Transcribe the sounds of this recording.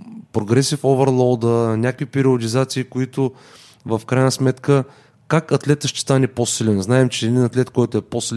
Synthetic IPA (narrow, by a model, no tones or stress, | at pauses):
pɾoɡɾɛsifovɛɾlˠɔd̪ənʲakvipɛɾiod̪izat̪siːkoit̪ʊ | vəfkɾajnəsmɛt̪kə | kakɐt̪lɛt̪əʃt̪ɛ̥st̪anɛposilʲɛnznaɛmt͡ʃɛːd̪inɐt̪lɛt̪kɔjt̪ʊɛposiln